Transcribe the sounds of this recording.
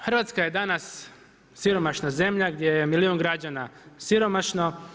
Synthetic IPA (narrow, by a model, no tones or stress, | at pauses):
xɾr̩ʋaːt̪skaje̞d̪anas | siɾo̞maʃnaze̞mʎaɡd̪jejemilioːnɡɾad͡ʒanasiɾo̞maʃno̞